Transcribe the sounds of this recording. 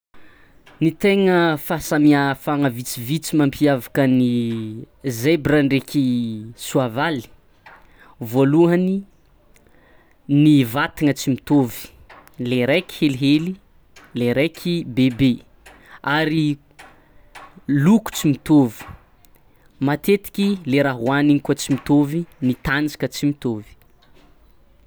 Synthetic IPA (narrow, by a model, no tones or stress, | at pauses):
nit̪eŋəfasamiafaŋəvit͡sivit͡simampʰiavakəni | zebraɳɖ͡ʐekʰisuavali̥ | voluɦani | nivat̪iŋət͡simit̪ovi̥ | leɾajkʲi̥heliɦeli | leɾejkʲʰibebe | aɾi | luku̥t͡simit̪ovi̥ | mat̪et̪i̥kʲileɾaɦwaniŋikut͡simit̪ovinit̪and͡ʒi̥kət͡simit̪ovi̥